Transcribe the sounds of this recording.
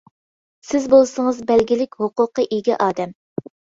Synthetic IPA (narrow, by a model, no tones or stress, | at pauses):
sɪzbolˠsəŋəzbɛlɡʲilɪkʲhoqʊqːəʔiɡʲiʔɑːd̪ɛm